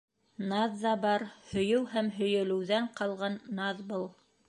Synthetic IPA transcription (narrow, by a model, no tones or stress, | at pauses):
nɑðːɑbɑɾhɵ̆jɘwhæmɦɵ̆jɘ̆lɘ̆wðæɴqʰɑlˠʁɑnːɑðbɤlˠ